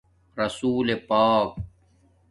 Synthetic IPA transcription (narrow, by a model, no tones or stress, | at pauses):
ɾɐsuːlepaːk̚